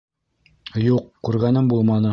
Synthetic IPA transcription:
juqkːʉɾɡænɘmbulˠmɑnɤ

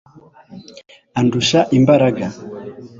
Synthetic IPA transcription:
anduʃaʔimbaɾaɡa

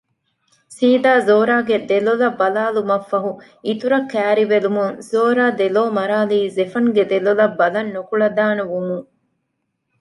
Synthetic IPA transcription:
siːd̪aːzoːɾaːɡed̪elolɐbɐlaːlumɐfːɐɦu | it̪uɾɐkːæːɾiʋelumuŋzoːɾaːd̪eloːmɐɾaːliːzefɐŋɡed̪elolɐbːɐlɐnːokuɭɐd̪aːnɐʋumuŋ

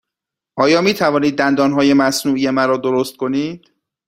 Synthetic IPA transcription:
ʔɒːjɒːmiːt̪ʰævɒːniːd̪ːænd̪ɒːnɦɒːje̞mæsnuːʔijemæɾɒːd̪oɾost̪̚kʰo̞niːd̪̥

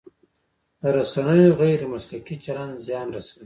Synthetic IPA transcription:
d̪əɾasanəjoɣajɾemaslakit͡ʃalanzjɑnɾasawi

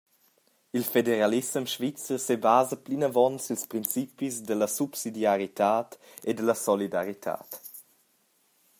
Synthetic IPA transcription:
ilfedeɾalismʃvit͡sərsebaːzəplinavɔnsilspɾint͡sipisd̪əlɐsupsidjaɾit̪aːt̪ | ed̪əlɐsɔlidaɾit̪ʰa̰ːt̪

